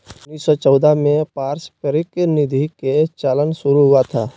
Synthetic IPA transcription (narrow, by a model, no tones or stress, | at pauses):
ʊnːiːssɔt͡ʃɔːd̪amẽpaːɾspəɾɪknɪd̪ʱiket͡ʃaːlənsʊɾuɦʊat̪ʰaː